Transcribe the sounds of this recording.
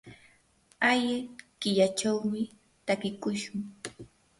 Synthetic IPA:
ajɪkɪʎat͡ʃawmɪ | t̪akɪkʊʃʊŋ

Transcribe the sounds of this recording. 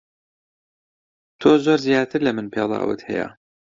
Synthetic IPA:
t̪ʰoːzoːɾzijɑːt̪ʰɨɾlɐmɨnpʰelˠɑ̰ːwɨ̰t̪hɛ̰ja̰

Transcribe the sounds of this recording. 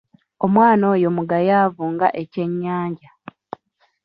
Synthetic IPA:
omwaːno̞ːjomuɡajaːvuːŋɡa̰ʔe̞ce̞ɲːaːɲɟa

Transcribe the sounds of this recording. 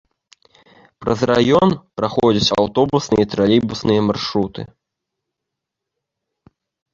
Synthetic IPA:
pɾɐzrajɔnpɾaxɔd͡zʲɐt͡sʲa̰wt̪ɔbusnɨjɐt̪ɾalʲibusnɨjɐmarʂɾut̪ɨ̰

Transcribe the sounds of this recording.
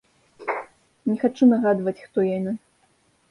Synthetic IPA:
nʲɛxat͡ʂunɐɣad̪vɐt͡sʲxt̪ɔjanʲɛ

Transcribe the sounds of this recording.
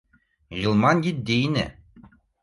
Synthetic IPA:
ʒɯlˠmɑnɡʲit̪̚d̪ejnɘ̰

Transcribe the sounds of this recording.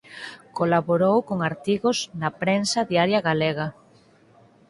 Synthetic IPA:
kolaβoɾowkoŋaɾt̪iɣosnɐpɾensɐðiaɾjɐɣaleɣɐ

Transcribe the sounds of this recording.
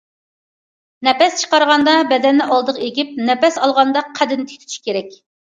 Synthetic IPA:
nɛpɛst͡ʃʰə̥qɑɾʁɑnd̪ɑbɛd̪ɛnːɪʔɑlˠd̪əʁeɡʲip̚nɛpɛsɑlˠʁɑnd̪ɑqʰːæd̪ɪnɪt̪ʰy̥t̪ʰy̥t͡ʃʰʃi̥kʲʰeɾɛkʲ

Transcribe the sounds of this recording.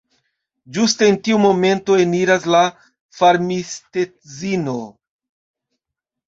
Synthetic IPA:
d͡ʒuste̞ːntiumo̞me̞nto̞e̞niɾasla | faɾmiste̞ | zino̞

